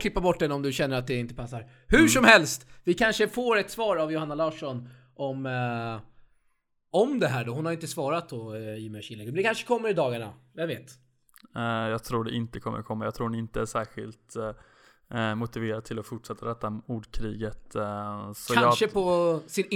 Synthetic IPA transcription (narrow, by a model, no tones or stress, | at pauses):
kʰlɪpːabɔʈːd̪ɛnːɔmd̪ɵɕɛnːəɾat̪̚d̪ɛɪnt̪əpʰasːaɾ | hʉ̟ʂɔmhɛlst̪vɪkʰanʂəfoːɾɛt̪svɑːɾavjʊhanːalɑːʂɔn | ʔɔm | ɔmd̪ɛɦæːɖɔɦʊnhaɾjʏɪnt̪əsvɑːɾat̪̚d̪ɔiːmɛʂɪlːɛɡəmɛnd̪ɛkanʂə̥kʰɔmːəɾɪd̪ɑːɡaɳa̰javeːt̪ː | jɑːɡ̚t̪ʰɾuːɖɛʔɪnt̪əkʰɔmːə̰ɾkʰɔmːajaɡ̚t̪ʰɾuːɾd̪ɛnɪnt̪əæʂæːɾɧɪ̰lt̪ | mʊt̪ɪveːɾat̪ʰɪlɔfʊʈʂɛt̪ːaɾɛt̪ːauːɖkʰɾiːɡət̪ | sɔaʂəpʰɔsɪn